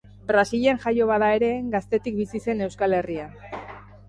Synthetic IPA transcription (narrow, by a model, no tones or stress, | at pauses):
bɾasiʎenʝajo̞βaðae̞ɾe̞ɡast̪e̞t̪ik̚bisise̞ne̞wskale̞ria